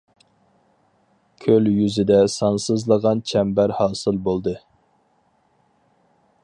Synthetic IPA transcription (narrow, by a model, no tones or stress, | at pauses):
kʲʰøljyzɪd̪ɛsɑnsɨzlˠəʁɑnt͡ʃʰɛmbæɾhɑːsɨlˠbolˠd̪ɨ